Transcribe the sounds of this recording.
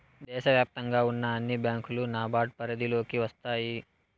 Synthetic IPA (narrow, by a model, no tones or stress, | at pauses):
d̪ɛːʃɐʋjaːp̚t̪ɐŋɡaːunːɐːnːibjaːŋkulunaːbaːʈ̚pɐɾɐd̪ilo̞ːkiʋɐst̪aːji